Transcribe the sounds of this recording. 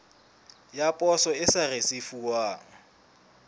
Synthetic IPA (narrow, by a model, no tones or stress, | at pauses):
japʼɔsɔɪsaresifuwaːŋ̩